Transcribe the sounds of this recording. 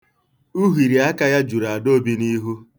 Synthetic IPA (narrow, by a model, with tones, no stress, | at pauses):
u˦ɦi˨ɾi˨a˦ka˦ja˦d͡ʒu˨ɾa˨a˨do˦bi˦ni˦ɦu˦